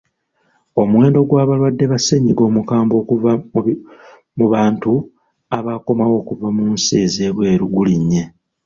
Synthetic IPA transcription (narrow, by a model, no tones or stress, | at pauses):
o̞mwe̞ːndo̞ɡwaːβalwadːe̞βaseɲiɡo̞ːmukaːmbo̞ːkuva | muβaːntu | aβako̞mawo̞ːkuvamunseːze̞ːβwe̞ːɾuɡuliɲːe̞